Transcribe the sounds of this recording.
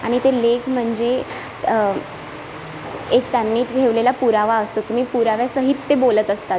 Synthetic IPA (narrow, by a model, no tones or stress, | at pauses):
aɽ̃it̪elekm̤əɳd͡ze | ekt̪janːiːʈʰeʋlelapuɾaʋaəst̪ot̪um̤iːpuɾaʋjasəɦit͡s̪ːebolət̪əst̪at̪̚